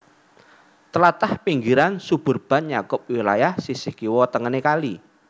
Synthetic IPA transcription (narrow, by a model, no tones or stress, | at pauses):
t̪əlat̪ahpiŋɡiɾansub̥ʊ̤rb̥a̤nɲakʊp̚wilajahsisɪhkiwɔt̪əŋənekali